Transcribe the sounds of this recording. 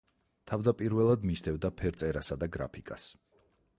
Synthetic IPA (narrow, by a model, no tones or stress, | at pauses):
t̪ʰavd̪apʼiɾvɛlˠad̪misd̪ʰɛvd̪apʰɛɾt̪sʼɛɾasad̪aɡɾa̰pʰikʼas